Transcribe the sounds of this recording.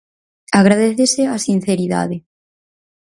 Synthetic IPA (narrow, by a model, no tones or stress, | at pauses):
aɣɾaðeθeseasin̟θeɾiða̰ðe